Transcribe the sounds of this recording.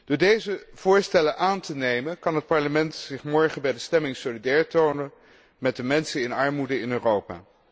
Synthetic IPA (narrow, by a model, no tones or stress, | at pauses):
d̥ʊːɹdejzəv̥ʊːɹstɛlənʔaːntənejmənkɑnɦət̚pɑɹləmɛntsɪχmɔɹχənbɛjdəstɛmɪŋsolidɛːɹtownən | mɛd̚dəmɛnsəɪnɑɹmudəɪnøːrowpa̰ː